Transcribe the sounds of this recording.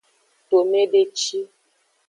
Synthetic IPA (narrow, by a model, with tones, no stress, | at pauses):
to˨me˦ɖe˦t͡ʃi˦